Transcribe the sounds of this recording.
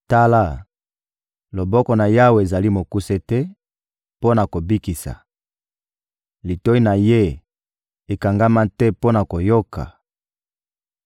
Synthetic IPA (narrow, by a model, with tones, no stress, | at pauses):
ta˦la˦˨ | lo˨bɔ˦kɔ˨na˨ja˦we˨za˨li˦mo˨ku˦se˦tɛ˦ | po˦na˨ko˨bi˦ki˨sa̰˨ | li˨to˦i˦na˨je˦ | e˨ka˨ŋɡa˦ma˦tɛ˦po˦na˨ko˨jo˦ka̰˨